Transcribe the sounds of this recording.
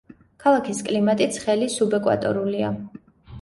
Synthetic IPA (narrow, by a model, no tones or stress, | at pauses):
kʰalˠakʰiskʼlimat̪ʼit̪sʰχɛlisubɛkʼwa̰t̪ʼɔ̰ɾulia